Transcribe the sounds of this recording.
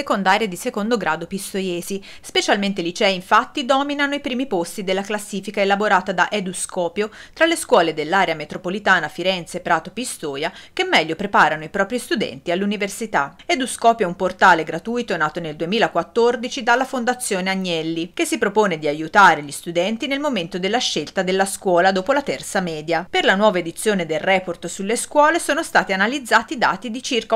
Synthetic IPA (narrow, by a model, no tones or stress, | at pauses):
sekond̪aːɾjed̪isekond̪oɡɾaːd̪opist̪ojɛːzi | spet͡ʃalment̪elit͡ʃɛːiɱfat̪ːid̪ɔːminanoipɾiːmipost̪id̪elːaklasːiːfikaelaboɾaːt̪ad̪aʔed̪uskɔːpjot̪ɾalːeskwɔːled̪elːaːɾeamet̪ɾopolit̪aːnafiɾɛnt̪sepɾaːt̪opist̪oːjakemːɛʎːopɾepaːɾanoipɾɔːpɾist̪ud̪ɛ̰nt̪ialːuniversit̪aed̪uskɔːpjaumport̪aːleɡɾat̪ujt̪onaːt̪oneld̪uemiːlakwat̪ːord̪it͡ʃid̪alːafond̪at̪sːjoːneaɲːɛlːikesːipɾopoːned̪iajut̪aːɾeʎist̪ud̪ɛnt̪inelmoment̪od̪elːaʃːelt̪ad̪elːaskwɔːlad̪oːpolat̪ɛrt̪samɛːd̪japerlanwɔːvaed̪it̪sːjoːned̪elrɛːport̪sulːeskwɔːlesoːnost̪aːt̪ianalid̪zːaːt̪id̪a̰ːt̪id̪it͡ʃirka